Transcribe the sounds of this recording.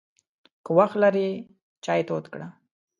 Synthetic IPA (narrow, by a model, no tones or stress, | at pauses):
kəwaxt̪laɾi | t͡ʃɑjet̪ot̪kɽa